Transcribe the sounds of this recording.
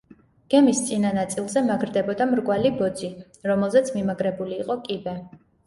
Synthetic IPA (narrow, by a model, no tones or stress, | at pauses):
ɡ̥ɛmist̪sʼinanat̪sʼilˠzɛmaɡɾd̪ɛbɔd̪amɾɡʼwalibɔd̪zi | ɾɔmɛlˠzɛt̪sʰmimaɡɾɛbuliːqʼɔkʼibɛ